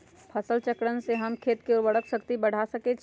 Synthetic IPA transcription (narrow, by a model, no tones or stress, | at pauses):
pʰəsəlt͡ʃəkɽənseɦəmkʰet̪keuʋəɽəksəkt̪ibəɽ̤asəkɛt͡ʃʰ